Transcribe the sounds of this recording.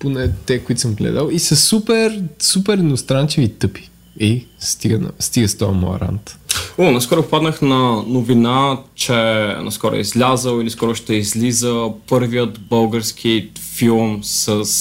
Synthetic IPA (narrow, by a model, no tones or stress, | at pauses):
ponɛt̪ɛkoit̪səmɡlɛ̰d̪əlˠisɐsupɛɾsupɛɾinost̪ɾant͡ʃivit̪ɤpi̥ | ɛst̪iɡənɐ̰st̪iɡəst̪ɔjɐmo̰ɐ̰ɾa̰nt̪unaskɔɾʊppad̪nəxnɐnovinat͡ʃɛnɐ̰skɔɾo̰ɛ̰izlʲazəlˠiliskɔɾʊʃt̪ɛizlizəpɤɾvijət̪bɤlˠɡəɾsk̟ʰifilˠmsəs